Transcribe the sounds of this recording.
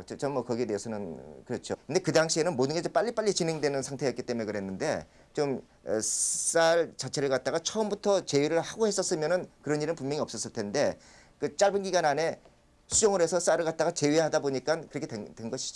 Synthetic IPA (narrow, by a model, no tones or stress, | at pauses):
t͡ɕt͡ɕʌmːʌkʌɡieteɦesʰʌnɯnkɯɾʌt͡ɕʰokɯnde̞kɯdaŋɕʰie̞nɯnmodɯnɡed͡ʑʌp͈aʎːip͈aʎːit͡ɕinɦe̞ŋdwe̞nɯnsʰaŋtʰe̞jʌtk͈it͈e̞mue̞ɡɯɾɦe̞nːɯnde̞̰ | t͡ɕom̰ | s͈aɭt͡ɕat͡ɕʰe̞ɾɯɭkat̚t͈aɡat͡ɕʰʌɯmbutʰʌt͡ɕe̞ɥiɾɯɭhaɡohe̞s͈ʌs͈ɯmjʌnɯnkɯɾʌniɾɯnpumjʌŋiʌps͈ʌs͈ɯɭtʰe̞nde̞ | kɯt͡ɕ͈aɭbɯnɡiɡanane̞ | sʰud͡ʑoŋɯɾe̞sʰʌs͈aɾɯɭkat̚t͈aɣat͡ɕe̞ɥiɦadaboɲik͈ankɯɾʌkʰeetwenɡʌɕʰi̥d͡ʑo